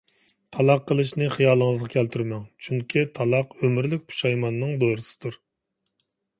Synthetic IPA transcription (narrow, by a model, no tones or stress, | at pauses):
t̪ʰɑlˠɑqːəlˠɨʃnɨχijɑːlˠəŋəzʁɑkʲʰɛlt̪ʰyɾmɛŋt͡ʃʰyŋkʲʰit̪ʰɑlˠɑqømyɾlɪk̚ʲpʰu̥ʃɑjmɑnːɨŋd̪ojɾɨsɨ̥d̪uɾ